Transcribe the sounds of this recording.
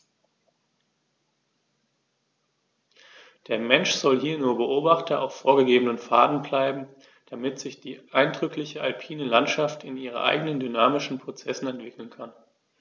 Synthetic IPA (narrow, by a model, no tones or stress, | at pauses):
d̥eːɐmɛnʃz̥ɔlɦiːɐnuːɐbəʔoːbaχtɐʔa̰ʊffoːɐɡəɡeːbənənfaːdn̩blaɪbm̩ | d̥amɪtz̥ɪçd̥iːʔaɪndʁʏklɪçəʔalpʰiːnəlantʃaftɪniːʁ̞ə̰nʔa̰ɪɡənəndynaːmɪʃn̩pʁ̥ot͡sɛsn̩ɛntv̥ɪkl̩nkʰan